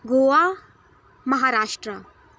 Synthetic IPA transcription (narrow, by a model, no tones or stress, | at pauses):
ɡoːʋa | mɐɦaːɾaːʂʈɾə